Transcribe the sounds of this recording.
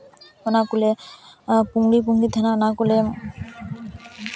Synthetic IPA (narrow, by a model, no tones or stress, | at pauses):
ɔnakule | puŋɽip̬uŋlid̪ʱɛnanakule